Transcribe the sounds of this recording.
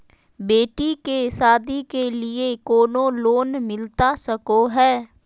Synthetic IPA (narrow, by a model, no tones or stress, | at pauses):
beːʈikesaːd̪ikeliekoːnoloːnmɪlt̪asɐkoɦɛː